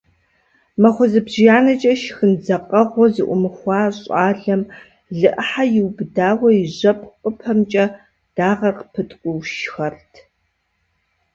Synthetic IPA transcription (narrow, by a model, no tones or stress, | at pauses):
mɐχʷɔzɨbʑɪjaːnɐt͡ʃʼɐʃxɨnd͡zɐqʼɐʁʷɔzɨʔʷʊmɨxʷɑːɕʼɑːɮɐm | ɮɨʔəħajɪwbdaːwɐjɪʑɐpʰʼqʼəpʰɐmt͡ʃʼɐ | d̥aːʁɐrqəpʰɨtʰʼkʷʼʊwʃxɐrtʰ